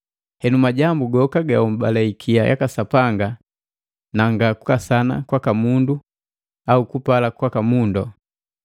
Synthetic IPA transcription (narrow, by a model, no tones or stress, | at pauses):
hɛnumaɟambuɡɔkaɡaum̩balaikʰia̰jʔa̰kasapaŋɡa | naŋɡaku̥kasana̰kwakamundu | aukupalakwakamundɔ